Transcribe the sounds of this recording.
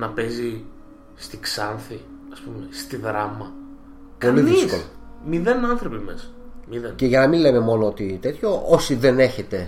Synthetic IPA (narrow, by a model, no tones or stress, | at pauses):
nɐpe̞zi | st̪iksɐnθi | ɐspumest̪iðɾɐmɐ | pkoliðiisskolomiðe̞nɐnθɾo̞pimesmiðenceʝɐnɐmile̞me̞mo̞noot̪it̪e̞t̪ço̞ʔosiðe̞ne̞çe̞t̪e̞